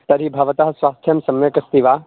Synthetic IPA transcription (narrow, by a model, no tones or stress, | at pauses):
t̪ɐɾibʱɐʋɐt̪aɦɐ̆sʋaːst̪ʰjɐmsɐmjɐkɐst̪iʋaː